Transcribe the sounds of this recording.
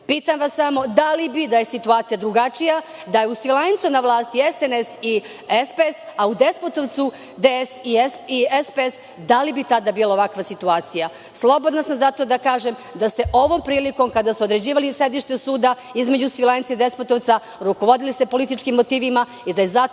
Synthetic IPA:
piːt̪amʋasːamo̞d̪alibid̪aje̞sit̪uaːt̪sijad̪ɾuɡat͡ʃija | d̪ajeusʋilˠant̪sunaʋlˠaːst̪iesenesi | espesaud̪e̞spot̪oʋt̪su | d̪esiesiespees | d̪alibit̪ad̪abiːlaoʋakʋasit̪uaːt̪sija | slˠo̞bod̪nasamzat̪o̞d̪akaːʒem | d̪ast̪e̞ʔo̞ʋo̞ːmpɾiːliko̞mkad̪ast̪eod̪ɾe̞d͡ʑiːʋalise̞d̪iʃt̪esuːd̪a | izme̞d͡ʑusʋilant̪said̪e̞spot̪oʋt̪sa | ɾuko̞ʋo̞d̪ilist̪epolit̪it͡ʃkimːot̪iːʋima | id̪aje̞za

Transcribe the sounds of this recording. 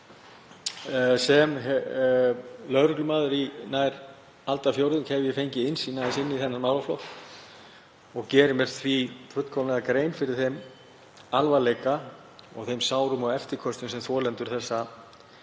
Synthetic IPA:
sɛmɦ | lœðɾʏklʏmaːðʏɾinajɾ | alt̪afjowɾðʏnkhɛvʏjɛfejɲcɪɪnsiːnaðɪsɪnːiθɛnːaɾmawlaflɔ̰wt̪ | ɔɣcɛːɾɪmɛr̥tθʰvit̪ʰvʏt̪kʰɔwnɛɣakɾeːjnfɪɾɪɾ̥θejm | alvalejka | ɔ̰ɣθejmsaːwɾʏmawɛft̪ɪ̥kʰɔst̪ʏmsɛmθvɔːlɛnt̪ʏɾ̥θɛsːa

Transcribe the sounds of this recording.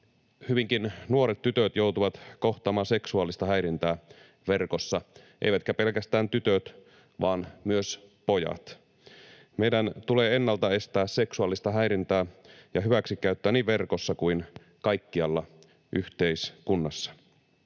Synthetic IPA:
hyʋiŋkinnuo̞ɾet̪tyt̪øt̪jout̪uʋɑt̪ko̞ht̪ˑɑːmɑːse̞ksuɑlːist̪ɑhæjɾint̪æː | ʋerkosːɑʔḛjʋæt̪kæpe̞lkæst̪æːnt̪yt̪øt̪ | ʋɑːnmyøspo̞jɑ̰t̪ | me̞jdænt̪uleːenːɑlt̪ɑe̞st̪æːsse̞ksuɑlːist̪ɑɦæjɾint̪æːjɑɦyʋæksikːæyt̪ːøæːniːʋʋe̞rkosːɑkuin | kɑjkːiɑlːɑ | ʔyht̪eiskunːɑsːɑ̥

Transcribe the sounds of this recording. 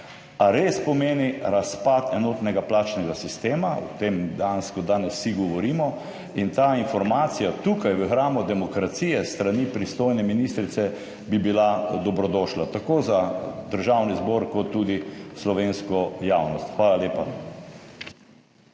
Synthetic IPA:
aɾeːspɔmeːniɾaspat̪ɛnɔːt̪nɛɡaplaːt͡ʃnɛɡasist̪eːmaw̰t̪emd̪ɛjanskɔd̪aːnɛsːiɡɔʋɔɾiːmɔ | int̪aːinfɔɾmaːt̪sijat̪uːkajʋəxɾaːmɔd̪ɛmɔkɾat̪siːjɛst̪ɾanipɾist̪oːjnɛminist̪ɾit̪sɛ | bibilad̪ɔbɾɔd̪ɔːʃlat̪akoːzad̪əɾʒawnizbɔɾkɔt̪ːud̪islɔʋeːnskɔjawnɔst̪xʋaːlaleːpa

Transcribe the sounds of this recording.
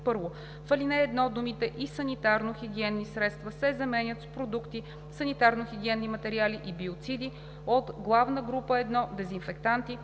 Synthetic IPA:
pɤɾvo | fɐlinɛːd̪nɔd̪umit̪ɛʔisɐnit̪aɾnoxiɡ̟ʲiɛnːisɾɛt̪st̪vəsɛzɐmɛnʲət̪spɾod̪ukt̪i | sɐnit̪aɾnoxʲiɡ̟ʲiɛnːimɐt̪ɛɾialiʔibiot̪sid̪i | ot̪ɡlˠavnəɡɾupəɛd̪nɔd̪ɛzinfɛkt̪ant̪i

